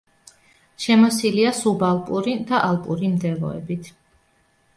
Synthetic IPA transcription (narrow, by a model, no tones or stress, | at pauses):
ʃɛmɔsiliasubalˠpʼuɾid̪aʔalˠpʼṵɾimd̪ɛlˠɔ̰ɛ̰bit̪ʰ